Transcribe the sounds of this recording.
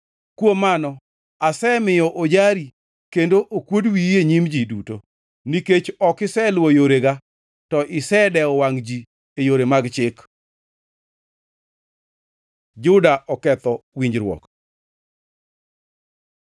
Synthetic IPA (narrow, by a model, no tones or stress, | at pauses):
kwomanɔ | asɛmɪjɔʔod͡ʒaɾi | kendoʔokwodwieɲimd͡ʒiduto | niket͡ʃɔkɪsɛlwojoɾeɡa | tɔʔɪsɛdɛɔwaŋd͡ʒi | ejoɾemaɡt͡ʃɪk | d͡ʒʊdaʔɔkɛt̪ɔwiɲd͡ʒɾwɔ̰k